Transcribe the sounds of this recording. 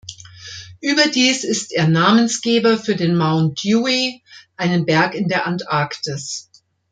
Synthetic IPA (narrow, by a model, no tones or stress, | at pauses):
ʔyːbɐdiːsɪsteːɐnaːmənsɡ̥eːbɐfyːɐdeːnmaʊntdjuːiʔaɪnənbɛɐkɪndeːɐʔantʔaɐktɪs